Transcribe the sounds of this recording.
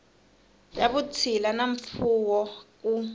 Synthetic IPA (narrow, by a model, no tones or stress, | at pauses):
jaɓutʰilanaɱ̩fuk̬ɔk̬u